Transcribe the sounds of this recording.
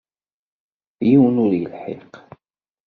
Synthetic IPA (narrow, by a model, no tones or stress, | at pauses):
jiwnʊɾjə̰lħḛq